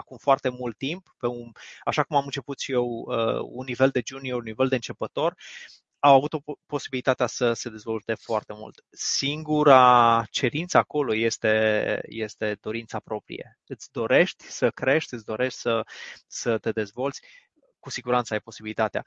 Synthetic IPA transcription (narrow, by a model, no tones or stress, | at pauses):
akumfoart̪e̞mult̪ːimppe̞unaʃakumamɨnt͡ʃe̞put̪ʃijewə̰unːive̞ld̪e̞d͡ʒunioɾuniveld̪e̞ɨnt͡ʃepət̪o̞r | awavut̪opo̞sibilit̪at̪easəse̞d̪e̞zvo̞lt̪e̞foart̪emṵlt̪ | siŋɡuɾat͡ʃe̞ɾint̪səako̞lo̞je̞st̪e̞je̞st̪e̞d̪̥o̞ɾint̪sapɾo̞pɾḭje̞̰ | ɨt̪sʲd̪o̞ɾe̞ʃt̪ʲsəkɾe̞ʃt̪ʲɨt̪sʲd̪o̞ɾe̞ʃt̪ʲsəsət̪e̞d̪e̞zvo̞lt̪sʲ | kusiɡuɾant̪səajpo̞sibilit̪at̪ea̰